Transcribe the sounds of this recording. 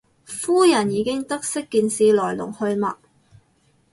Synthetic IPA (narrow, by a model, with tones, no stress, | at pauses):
fuː˥jɐ˨˩njiː˨˧kɪ˥ŋt̪ɐ˥k̚sɪ˥kːiː˨˧nsiː˨˧lɔː˨˩jlʊ̰˨˩ŋhɵ˧ɥmɐ̰˨k̚